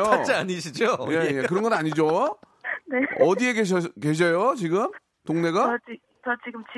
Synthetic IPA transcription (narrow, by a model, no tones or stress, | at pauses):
oat͡ɕiaɲiɕʰid͡ʑojejekɯɾʌnɡʌnaɲid͡ʑo | neʌdie̞ɡeɕke̞ɕ̬ʰʌjot͡ɕiɡɯm | toŋne̞ɡat͡ɕi | t͡ɕʌt͡ɕiɡɯmt͡ɕi